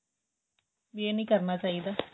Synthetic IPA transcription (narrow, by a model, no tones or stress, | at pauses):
bieːnĩːkəɾnaːt͡ʃaːid̪aː